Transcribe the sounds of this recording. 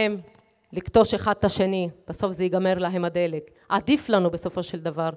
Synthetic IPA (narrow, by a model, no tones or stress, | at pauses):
em | likt̪o̞ʃeχad̪̚t̪aʃe̞nib̥aso̞fzejiɡame̞ʁlaɦe̞mad̪e̞le̞k | ʔad̪iflanube̞so̞fo̞ʃeld̪avaʁ